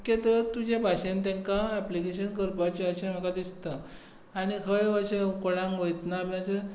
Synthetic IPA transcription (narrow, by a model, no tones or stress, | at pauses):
ket̪ət̪ud͡ʑebʱaɕẽnt̪ẽŋkaɛplikeɕənkəɾpat͡ɕeəɕẽm̤əkad̪ist̪ə | añikʰəjəɕẽkoɽãŋkʋəjt̪nabãt͡ɕe